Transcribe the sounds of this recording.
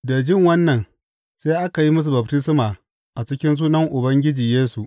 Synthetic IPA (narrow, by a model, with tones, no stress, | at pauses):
da˨d͡ʒɪ˦ŋwɐ˦nːɐ˨n | seː˦ʔa˦ka˨ji˦mʊ˦s̬u˨bɐ˨b̚tɪ˦sɪ˦maː˨ | ʔa˨t͡ʃɪ˦kʲɪ˦ns̬uː˦nɐ˦ŋʔʊ˨bɐ˦ŋɡʲɪ˦d͡ʒiː˨jeː˦su˨ʔ